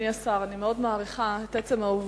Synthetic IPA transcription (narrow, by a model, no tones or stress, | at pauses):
iasaʁanimeo̞dmaːʁiχaetet͡semauv